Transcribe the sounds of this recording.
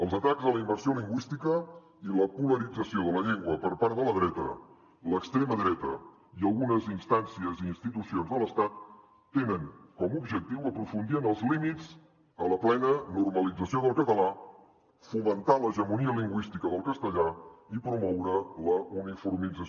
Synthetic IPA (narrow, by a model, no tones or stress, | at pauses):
əlˠzət̪aɡzðələimbərsioliŋɡwist̪ikə | iləpuləɾid͡zəsioðələʎeŋɡwəpəɾpaɾðələðɾɛt̪ə̰ | ləkst̪ɾeməðɾɛt̪ə̰ | iəlˠɣunəzinst̪ansiəziːnst̪it̪usionzðələst̪at̪̚ː | enəŋkɔmubʒək̚t̪iwəpɾufund̪iənəlˠzlimid͡z | ələplɛnənurməlid͡zəsioðəlˠkət̪əla | fumənt̪aləʒəmuniəliŋɡwist̪ikəðəlˠkəst̪əʎaipɾumɔwɾələunifuɾmid͡zə